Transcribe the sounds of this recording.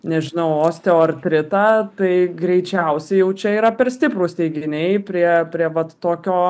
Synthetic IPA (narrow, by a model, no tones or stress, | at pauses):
nʲɛʒʲɪnɐʊoːsʲt̪ʲeoːrʲt̪ʲɾʲɪt̪ɑːt̪ɐɪɡɾʲɛɪt͡ʃʲɛʊsʲɛɪjɛʊt͡ʃʲɛiːɾɐpʲɛrsʲt̪ʲɪpɾuːsʲt̪ʲɛɪɡʲɪnʲɛɪpʲɾʲiɛpʲɾʲiɛʋɐt̪ːoːkʲoː